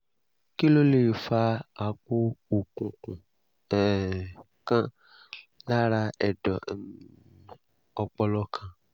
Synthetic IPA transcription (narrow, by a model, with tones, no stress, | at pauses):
ki˦lo˦le˨fa˧a˨k͡po˦o˨kũ˨kũ˨˦˨ | kã˦ | la˦ɾa˧ɛ˨dɔ˨ | ɔ˧k͡pɔ˧lɔ˦kʰã˧